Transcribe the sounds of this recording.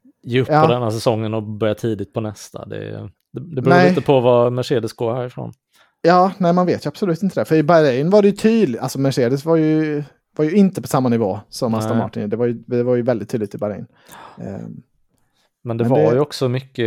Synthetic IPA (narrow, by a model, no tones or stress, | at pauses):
jeːɵpːɔd̪ɛnhæːsɛsɔŋːənɔbœɾjat̪ʰiːd̪ɪt̪̚pʰɔnɛst̪ʰa̰d̪ɛ̰ | d̪ɛd̪ɛbɾuːɛɪt̪əpʰɔvamæʂeːd̪əsɡoːhæːɾɪfɾo̰ːn | jɑːnɛːɪmanveːt̪jɵab̥sɔlʉ̟t̪ɪnt̪əd̪ɛfœɾɪbaɾɛjnvaɖɛjɵt̪ʰyːd̪lalsɔmæʂeːd̪əsvajɵ | vaɾjɵɪnt̪əpʰɔ̥samːanɪvoːsɔmːast̪amɑ̰ːʈːɪnd̪ɛvaɾjɵd̪ɛvaɾjɵvɛld̪ɪt̪ʰːyːd̪lɪt̪ɪbaɾɛ̰jn̰ | mɛnd̪ɛvd̪aɾjɔksɔmʏkːə